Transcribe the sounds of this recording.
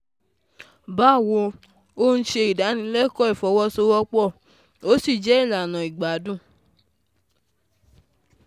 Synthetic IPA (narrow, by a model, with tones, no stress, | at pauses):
ba˨˦˨wo˧ | o˦n̩˦ʃe˧i˨da˨˦nĩ˧˦lɛ˦kɔ˦i˦˨fɔ˨˧˦wɔ˦so˧˦wɔ˦k͡pɔ˦˨ | o˨˦si˦˨d͡ʒɛ˨˦i˦˨la˨nã˨i˨ɡ͡ba˨˦dũ˦˨